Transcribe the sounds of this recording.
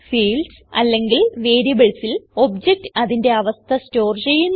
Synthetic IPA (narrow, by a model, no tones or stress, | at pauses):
fiːlɖsɐ̰lːe̞ŋɡilʋe̞ːɾibeɭsilo̞bd͡ʑek̚ʈɨɐðinde̞ɐʋɐst̪ʰɐsto̞ːrt͡ɕe̞jːunː